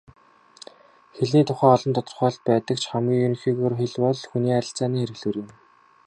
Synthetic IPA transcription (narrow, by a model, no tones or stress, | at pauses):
xeɮniːt̪ʰʊχæːɔɮɞ̆mt̪ʰɔt̪ɞ̆rχɔːɮ̚pæːt̪ə̆kt͡ɕʰχamɡʲiːŋjɵn̆xiːɣoːrxeɮpɔɮxuniːaɾʲɪ̆ɬt͡saːniːŋxeɾɘ̆ɣɮɘ̆ːrjɪ̆m